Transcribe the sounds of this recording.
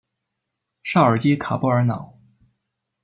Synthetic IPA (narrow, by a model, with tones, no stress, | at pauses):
ʂɑ˥˩ə˞˨˩t͡ɕi˥kʰa˨˩pɔ˥ə˞˧˥nɑ˨˩˦ʊ